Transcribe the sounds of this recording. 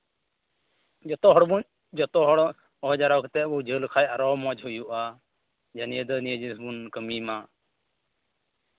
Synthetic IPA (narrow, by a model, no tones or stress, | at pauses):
d͡ʒɔt̪ɔɦɔɽbun | d͡ʒɔt̪ɔɦɔɽ | ɔɔd͡ʒaɾɔkɛt̪ɛbud͡ʒəlkʰajaɾɔmɔd͡ʒhujuʔa | d͡ʒanijəd̪ɔnijəd͡ʒisbunkəmima